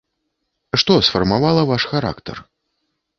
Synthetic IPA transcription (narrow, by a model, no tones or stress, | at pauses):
ʂt̪ɔsfɐrmavalˠɐvaʂxaɾa̰kt̪ɐ̰r